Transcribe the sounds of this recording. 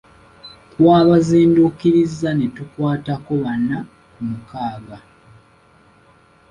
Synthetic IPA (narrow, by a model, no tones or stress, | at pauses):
kwaːβaziːndukiɾizːane̞tukwaːtako̞βanːa | kumukaːɡa